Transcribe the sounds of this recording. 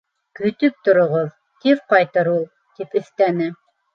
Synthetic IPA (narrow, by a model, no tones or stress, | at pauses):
kɵ̆t̪ɵp̚t̪ŏɾŏʁoð | k̪iɾqɑjt̪ɤɾulˠ | t̪ipɵ̆θt̪ænɘ